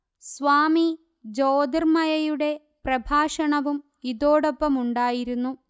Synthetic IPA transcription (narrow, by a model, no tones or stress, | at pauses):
sʋaːmi | d͡ʑoːd̪ɐrmɐjɐjuɽe̞ | prɐbʱaːʂɐɳɐʋum | iðoːɽopːɐmuɳɖaːjiɾunːu